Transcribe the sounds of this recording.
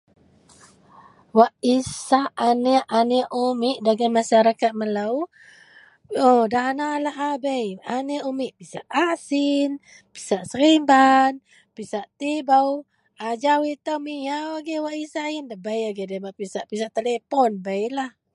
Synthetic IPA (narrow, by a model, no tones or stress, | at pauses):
waʔisaaneʔaneʔumiʔdaɡajmaʃaɾakat̪̚məlaw | odanalaɦabəjʔaneʔumiʔpisa̰ʔasin | pi̥saʔsəɾimban | pisaʔt̪ibaw | ad͡ʒawit̪əwmijawaɡewaʔisaindabəjaɡedabaʔpisaʔpisaʔt̪elepɔnbəjlah